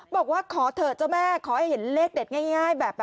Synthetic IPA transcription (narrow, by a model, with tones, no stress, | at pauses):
bɔː˨˩k̚waː˥˩kʰɔː˩˦t̪ʰɤː˨˩t̪̚t͡ɕa˧˩mɛː˧˥˩kʰɔː˩˦ha˧˩jhe˩˦nleː˦˥˩k̚de˨˩ŋaː˥˩ŋaː˥˩jbɛː˨˩p̚